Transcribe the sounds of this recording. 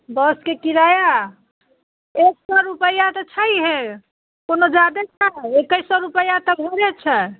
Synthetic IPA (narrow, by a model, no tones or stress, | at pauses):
bɔskekiɾaja | eksɔɾupəjat̪ɔt͡ʃʰəjɦe | konod͡ʒad̪et͡ʃʰəekəjsɔɾupəjat̪ɔbʱɔɾɛt͡ʃʰɛ